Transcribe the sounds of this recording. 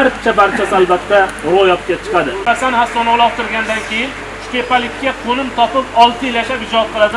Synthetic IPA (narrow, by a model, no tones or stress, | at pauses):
aɾpt͡ʃʰabaɾt͡ʃʰasɪalˠbat̪ʰːaɾojɒp̚kʲat͡ʃʰɨ̥qʰɑd̪ɪbasanɪhast̪ːɒnɒlˠɒp̚t̪ʰɪɾɡʲand̪ankʲe̞jɪn | ʃpʲepalɪkʲʰːaqʰonɪmt̪ʰɒpɪpɒlˠt̪ʰɪjlaʃapɪd͡ʒɒt̪̚qʰɨlˠad̪ɪ